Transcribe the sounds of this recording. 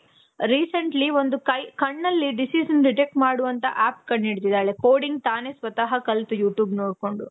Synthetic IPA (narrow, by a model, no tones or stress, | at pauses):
ɾiːsɐɳʈliʋo̞nd̪ukɐjkɐɳːɐlːiɖisiːʃɐnɖiʈek̚ʈmaːɽuʋɐnt̪ɐ̰ʔaːpkɐɳːiɽt̪id̪aːɭekoːɽiŋɡt̪aːnesʋɐt̪ɐɦɐkɐlt̪ujuːʈjuːbnoːɽko̞ɳɖu